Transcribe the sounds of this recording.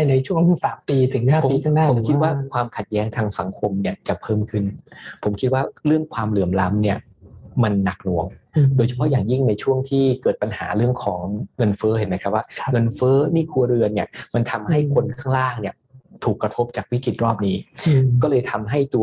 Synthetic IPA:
na˧jt͡ɕʰu˥˩əŋsaː˨˩˦mpiː˧t̪ʰɯ˩˦ŋhaː˥˩pʰiː˧˦˧kʰaː˥˩ŋnaː˥po˩˦m˦kʰi˦˥waː˥˩kʰwaː˧mkʰa˨˩t̪̚jɛː˦˥ŋt̪ʰaː˧ŋsa˩˦ŋkʰo˧mni˥˩ɐt͡ɕa˨˩pʰɤː˥˩mkʰɯ˥˩npʰo˩˦mkʰi˦˥t̪̚waː˥˩ɾɯ˥˩əŋkʰwaː˧mlɯ˨˩əmla˦˥mni˥˩ɐ | ma˧nːa˨˩k̚nu˨˩əŋdoː˧jt͡ɕʰa˧˩pʰɔ˦˥jaː˨˩ŋji˥˩ŋna˧jt͡ɕʰu˥˩əŋt̪ʰiː˥˩kɤː˨˩t̪̚pa˧nha̰ː˩˦ɾɯ˥˩əŋkʰɔː˩˦ŋŋɤ˧nfɤː˦˥e˨˩˦nːa˦˥kʰɾa˦˥p̚waː˥˩ŋɤ˧nfɤː˦˥niː˥˩kʰu˧ɐɾɯ˧ənːi˥˩ɐma˧nt̪ʰa˧mha˥˩jkʰo˧nkʰaː˥˩ŋɾaː˥˩ŋni˥˩ə | t̪ʰuː˨˩kːɾa˧t̪ʰo˦˥p̚t͡ɕaː˨˩k̚wi˦˥ki˨˩t̪̚ɾɔː˥˩p̚niː˦˥kɔː˥˩lɤː˧jt̪ʰa˧mɦa˥˩jt̪u˧ɐ

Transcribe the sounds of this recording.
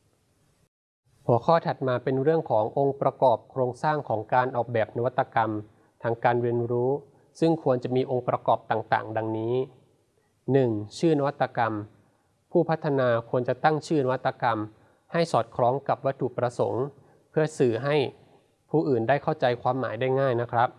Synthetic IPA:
hu˨˩˦kʰɔː˥˩t̪ʰa˨˩t̪̚maː˧pe˧nɾɯ˥˩əŋkʰɔː˩˦ŋʔo˧ŋpɾa˧kɔː˨˩p̚kʰɾoː˧ŋsaː˥˩ŋkʰɔː˩˦ŋkaː˧nʔɔː˨˩k̚bɛː˨˩p̚na˧wa˦˥t̪ːa˧ka˧m | t̪ʰaː˧ŋkaː˧nɾi˧ənɾuː˦˥ | sɯ˥˩ŋkʰu˧ənt͡ɕa˨˩miː˧ʔo˧ŋpɾa˧kɔː˨˩p̚t̪aː˨˩ŋt̪a̰ː˨˩ŋda˧ŋniː˦˥ | nɯ˨˩ŋt͡ɕʰɯː˥˩na˧wa˦˥t̪ːa˧ka˧m | pʰuː˥˩pʰa˦˥t̪ʰːa˧naː˧kʰu˧ənt͡ɕa˨˩t̪a˥˩ŋt͡ɕʰɯː˥˩na˧wa˥t̪ːa˧ka˧m | ha˥˩jsɔː˨˩t̪̚kʰɾɔː˦˥ŋka˨˩p̚wa˦˥t̪ʰːu˨˩pɾa˧so̰˩˦ŋ | pʰɯ˥˩ɐsɯː˨˩ɦa˥˩j | pʰuː˥˩ʔɯː˨˩ndaː˥˩jkʰa˥˩wt͡ɕa˧jkʰwaː˧mːaː˩˦jdaː˥˩jŋaː˥˩jna˦˥kʰɾa˦˥p̚

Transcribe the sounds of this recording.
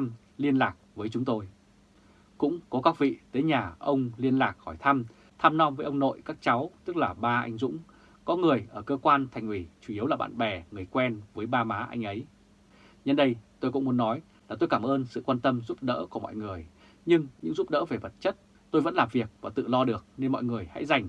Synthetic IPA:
m | li˧ənlaː˨˩k̚vəː˨˦jt͡ɕʊ˨˦ŋ͡mt̪o˧j | kʊ̰˧˥ŋ͡mkɔ˨˦kaː˦˥k̚vḭ˧˨t̪əː˨˦jɲaː˨˩ʔə˧wŋ͡mli˧ənlaː˨˩k̚hɔ˧˩jt̪ʰa˧m | t̪ʰaː˧mnɔ˧mvəː˨˦jʔə˧wŋ͡mno̰˧˨jkaː˦˥k̚t͡ɕa˨˦wt̪ɨ˦˥k̚laː˨˩ɓaː˧ʔa˧jŋ̟zʊ̰˧˥ŋ͡m | kɔ˨˦ŋɨ˨˩əjʔəː˧˩kəː˧kwaː˧nt̪ʰa˨˩jŋ̟ʔi˧˩t͡ɕu˧˩i˨˦əwlaː˨˩ɓa̰ː˧˨nɓɛ˨˩ŋɨ˨˩əjkwɛ˧nvəː˨˦jɓaː˧maː˨˦ʔa̰˧jŋ̟ʔə˨˦j | ɲə˧nɗə˧jt̪o˧jkʊ̰˧˥ŋ͡mmu˨˦nːɔ˨˦j | laː˨˩t̪o˧jkaː˧˩mʔəː˧nsɨ̰˧˨kwaː˧nt̪ə˧mzu˦˥p̚ɗə̰ː˧˥ku˧˩mɔ̰˧˨jŋɨ˨˩əj | ɲɨ˧ŋɲɨ̰˧˥ŋzu˦˥p̚ɗə̰ː˧˥ve˨˩və˨˩t̚t͡ɕə˦˥t̚ | t̪o˧jvə̰˧˥nlaː˨˩mvi˨˩ək̚vaː˨˩t̪ɨ̰˧˨lɔ˧ɗɨ˨˩ək̚ne˧nmɔ̰˧˨jŋɨ˨˩əjha̰˧˥jza˨˩jŋ̟

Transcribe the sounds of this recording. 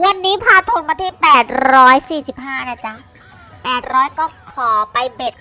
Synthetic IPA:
wa˧nːiː˦˥pʰaː˧t̪ʰo˧nmaː˧t̪ʰiː˥˩pɛː˨˩t̪̚ɾɔː˦˥jsiː˨˩si˨˩p̚ɦaː˥˩naː˥˩t͡ɕa˦˥ | pɛː˨˩t̪̚ɾɔː˦˥jkɔː˥˩kʰɔː˨˩˦pa˧jbe˨˩t̪̚

